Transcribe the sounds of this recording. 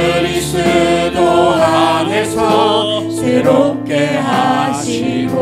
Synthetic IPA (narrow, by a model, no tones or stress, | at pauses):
ɾisʰed̪oɾaɦesʰɔ | sʰeɾop̚k͈eɦaɕʰi | ɡo